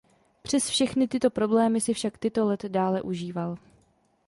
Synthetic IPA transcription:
pr̝̥ɛsfʃɛxnɪt̪ɪt̪o̞pɾo̞blɛːmɪsɪfʃakt̪ɪt̪o̞lɛt̪daːlɛʔuʒiːval

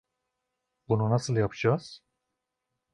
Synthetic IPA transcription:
bununasɯlˠjapʰɯd͡ʒaːz̥

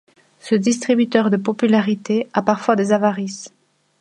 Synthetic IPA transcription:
səd̪ist̪χibyt̪œʁd̪əpɔpylaʁit̪eapaʁfwad̪ezavaʁis

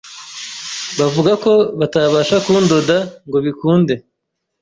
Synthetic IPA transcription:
βavuɡako̞βataβaʃakundodaŋɡo̞βikuːnde̞

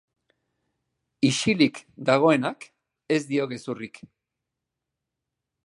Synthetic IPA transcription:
iʃilikd̪aɣ̞o̞e̞nak | e̞zd̪io̞ɣe̞surik

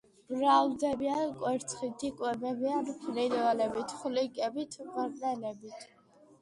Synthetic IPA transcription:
bɾald̪ɛbiankʼwɛɾt̪t͡sʰχit̪ʰikʼwɛbɛbianpʰɾɛdvalɛbit̪ʰχlikʼɛbit̪ʰvəʁnɛlɛbit̪ʰ

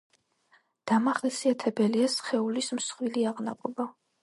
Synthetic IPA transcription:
d̪̥amaχlsiat̪ʰɛbɛliasχɛulismsχwiliaʁnaqʼɔba

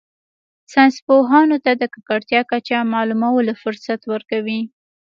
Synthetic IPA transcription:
sanspoɦɑnot̪ad̪əkakaɽt̪jɑkat͡ʃamɑlumawolafʊɾsat̪wəɾkawi

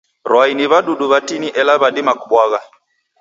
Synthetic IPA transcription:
ɾwainiβaɗuɗuβatiniʔɛlaβaɗimakuɓwaɣa

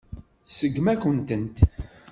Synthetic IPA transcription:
səɡːmækʷənt̪ənt̪

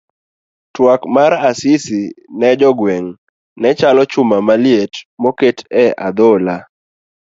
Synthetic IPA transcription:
twakmaɾasɪsinɛd͡ʒɔɡwɛŋ | nɛt͡ʃalɔt͡ʃʊmamaljetmɔketɛad̪ola

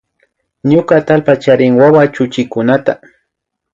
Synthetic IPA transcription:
ɲʊkat̪alpat͡ʃaɾɪŋwawat͡ʃʊt͡ʃɪkʊnat̪a̰

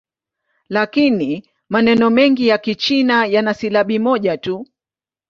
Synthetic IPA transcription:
lakini | manɛnɔmɛŋɡijakit͡ʃinajanasilaɓimɔʄatu

